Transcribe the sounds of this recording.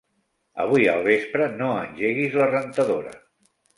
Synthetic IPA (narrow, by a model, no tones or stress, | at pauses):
ə̰β̞ujə̰lˠβespɾənoənʲʒeɣ̞izlərənt̪əðoɾə̰